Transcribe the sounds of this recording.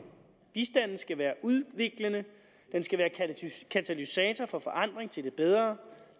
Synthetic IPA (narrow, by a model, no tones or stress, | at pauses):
b̥isd̥æn̰n̩sɡ̥æʋæːɐʔuð̞ˠʋe̝ɡ̥lənə | d̥ensɡ̥æʋæːɐkʰæt͡sʰælysɛːt͡sʰɒfɒ̽fɒ̽ʔɑ̈n̰d̥ʁeŋt͡sʰe̝ld̥e̝b̥eð̞ˠʁɐ